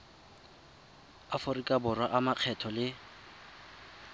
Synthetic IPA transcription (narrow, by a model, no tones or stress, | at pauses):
aforikʼabʊrwaʔamaq͡χʰɛtʰɔlɪ